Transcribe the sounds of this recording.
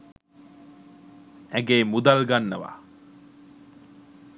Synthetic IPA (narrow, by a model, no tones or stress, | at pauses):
æɡeːmud̪alɡanːəʋa̰